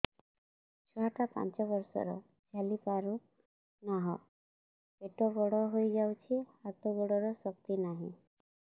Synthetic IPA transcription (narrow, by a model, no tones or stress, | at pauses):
t͡ʃʰɔɦaʈapa̰nt͡ʃɔbɔɾsɔ̰ɾɔ̰ | d͡ʒʱalipaɾu | naɦɔ | peʈɔɡɔɽɔɦojd͡ʒawt͡ʃʰihat̪ɔɡɔɽɔɾɔsɔkt̪inaɦḭ̃